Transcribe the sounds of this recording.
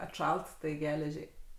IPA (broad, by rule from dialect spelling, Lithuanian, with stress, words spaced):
ɐtˈʃɐlˠt tɐɪ ˈɡʲæːlʲɛʒʲɛɪ